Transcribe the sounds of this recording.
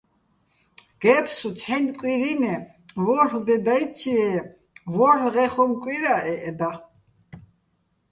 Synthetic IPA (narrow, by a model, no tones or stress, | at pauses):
ɡ̥ɛpʰsut͡sʰɛnkʼwiɾinɛ | vɔɾld̪ɛd̪ajt͡sʰiɛ | vɔɾlʁɛχɔmkʼwiɾaʔɛʔɛd̪a